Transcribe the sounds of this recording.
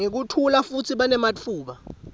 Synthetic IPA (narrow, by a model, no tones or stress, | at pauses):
ŋek̬utʰulafut͡sʰiɓanɛmat͡fʰuːɓa